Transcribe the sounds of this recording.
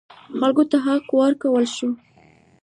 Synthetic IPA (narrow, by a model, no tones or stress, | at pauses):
xalɡot̪aɦaqwaɾkawəlʃu